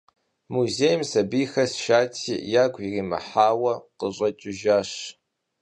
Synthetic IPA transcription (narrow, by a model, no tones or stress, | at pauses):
muzeːjmsɐbijxɐsʃaːtʰḭːjaːɡʷʼiriːmɐ̰ħaːwɐqəɕʼɐt͡ʃʼɪʒaːɕ